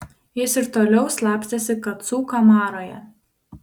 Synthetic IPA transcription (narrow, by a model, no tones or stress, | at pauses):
jɪsɪɾt̪oːlʲɛʊslˠɑˑpʲsʲesʲɪkɐt̪suːkɐmɑːɾoːjɛ̰